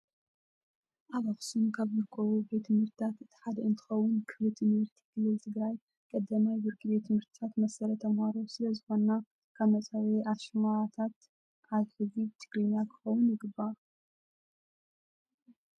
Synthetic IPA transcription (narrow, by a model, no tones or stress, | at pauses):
ʔaβafsunkʰaβzɨɾkʼɐβube̞t̪ʰːɨmhɨɾt̪ʰɨt̪ʰat̪ʔɨt̪ʰi̥ħad̪ɐɨnt̪ʰɨ̥xɐwːʊnkʰɨflɨt̪ʰɨnɐɾt̪ʰi̥kʰɨlɨlt̪ʰɨɡɾaj | kʼɐd̪ːɐmajbɨɾkʰɨβet̪ʰɨmhɨɾt̪ʰɨ̥t̪ʰat̪mɐsɐɾɐt̪ʰɐmhaɾosɨlɐzɨxo̞nːa | kʰaβmɐt͡sʼaweʔaβʃɨmaɾat̪ʰat̪ | ʔaβħɨzit̪ʰɨ̥ɡlinakʰɨ̥xɐwʊnjɨɡɨbːa